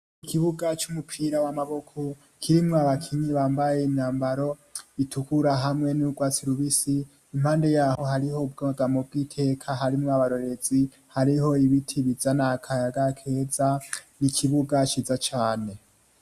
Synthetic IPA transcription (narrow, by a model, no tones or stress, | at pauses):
kikʰiβuɡat͡ʃumupʰiɾawamaβokʰo | kʰiɾimŋoaβakʰiɲiβaːmbajeinaːmbaɾo̞itʰukuɾaɦamŋe̞nuɡwaːt͡siɾuβisiː | m̥haːnde̞jaːho̞haɾiho̞ub̚ɡaaɡamobɡiːtʰe̞kʰaɦaɾimŋoaβaɾo̞ɾe̞zi | haɾiɦo̞iβitʰiβizanakʰajaɡakʰe̞ːzanikʰiβuɡat͡ʃiːzat͡ʃaːne̞